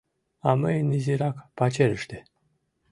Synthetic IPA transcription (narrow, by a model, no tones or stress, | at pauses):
aməjniziɾakpat͡ʃeɾəʃt̪e